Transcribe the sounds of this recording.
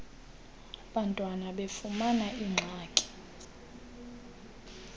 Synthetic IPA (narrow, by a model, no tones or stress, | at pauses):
ɓantʼwanaɓefumanaʔiŋ͡ǁʱaːkʼi̥